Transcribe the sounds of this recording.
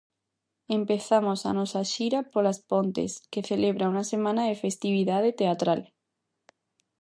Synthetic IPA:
empeθamosa̰nɔsaʃiɾapolaspont̪ḛskeθeleβɾauŋasemãnaðefest̪iβ̞iðað̞et̪eat̪ɾal

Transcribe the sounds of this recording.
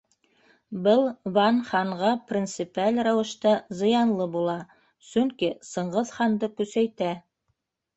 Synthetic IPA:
bɤlˠβɑnχɑɴʁɑprʲint̪sɨpælʲɾɑwɤ̆ʃt̪ɑzɤ̆jɑnlˠɤbulˠɑ | sɵŋkisɤ̆ɴʁɤðχɑnd̪ɤkʉsæjt̪æ

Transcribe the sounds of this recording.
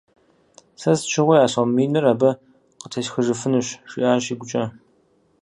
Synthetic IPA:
sɐzt͡ʃʰɪʁʷʊjaːsomiːnɨraːbɐ | qətʰɐʃxəʒɨfɨnɨɕʂiʔaːɕiːɡʷʊt͡ʃʼɐ

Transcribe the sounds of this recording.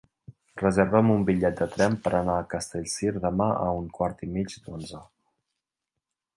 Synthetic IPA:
rəzəɾβəmumbiʎɛt̪̚d̪ət̪ɾɛmpəɾʔənaəkəst̪eʎsiɾðəmaʔə̰uŋkwaɾt̪imid͡ʒd̪onzə

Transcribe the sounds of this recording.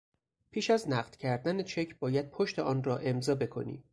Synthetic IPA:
pʰiːʃæznæɢd̪̥cʰæɾd̪ænet͡ʃʰe̞cʰbɒːjæd̪̥̚pʰo̞ʃt̪e̞ʔɒːnrɒːʔe̞mzɒːbe̞kʰo̞̰nḭː

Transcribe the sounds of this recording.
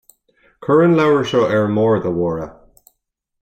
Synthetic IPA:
kʰɜɹə̃nlawɹəʃoʔɛɹmɔːɹðəwɔːɹə

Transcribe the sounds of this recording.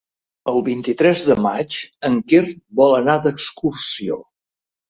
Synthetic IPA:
əlˠβint̪it̪ɾɛzðəma̰t͡ʃəŋkerbɔlənad̪əkskursio

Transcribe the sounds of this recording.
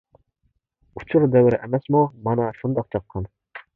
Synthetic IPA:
ut͡ʃʰuɾd̪ɛwɾʔæmɛsmumɑnɑʃund̪ɑq̚t͡ʃʰɑq̚qʰːɑn

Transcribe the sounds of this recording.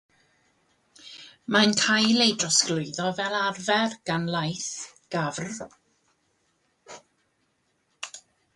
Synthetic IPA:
mankʰajlejdrɔsɡ̥lˠʊɨðɔvɛlˠarvɛrɡ̥anlˠajθɡ̥avr

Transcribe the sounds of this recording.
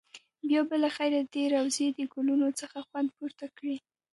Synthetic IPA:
bjɑbəlaxajɾad̪eɾawzed̪əɡulunot͡səxaxwand̪puɾt̪akɽi

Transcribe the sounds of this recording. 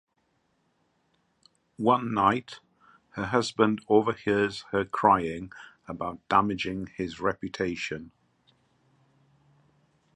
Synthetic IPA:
wʌ̃nːaɪt | həɦʌzbə̃ndoʊvəhɪəz̥həkʰɹ̥aɪɪ̃ŋ | əbaʊʔd̥amɪd͡ʒɪ̃ŋɪzɹɛpjətʰeɪʃə̃n

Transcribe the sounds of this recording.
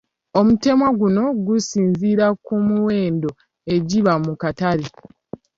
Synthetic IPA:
o̞mute̞mwaɡuno̞ɡusiːnziːɾakumuwe̞ːndo̞ | e̞ɟiβamukataɾi

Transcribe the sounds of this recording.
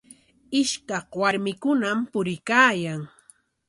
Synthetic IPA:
ɪʃkɑhwaɾmɪkʊnampʊɾɪkaːjaŋ

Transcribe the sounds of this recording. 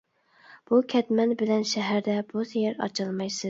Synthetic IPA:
b̥ukʲʰɛt̪mɛnbɪlɛnʃɛɦæɾd̪ɛbusejɪɾɑ̰t͡ʃʰɑlˠmɑjsɨ

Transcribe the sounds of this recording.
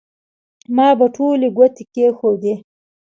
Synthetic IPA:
mɑbaʈʰoleɡwat̪ekexod̪e

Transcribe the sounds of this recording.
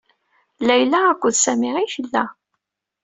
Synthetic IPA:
læjlæːkʷːəðsæmiʁiçəlːæ

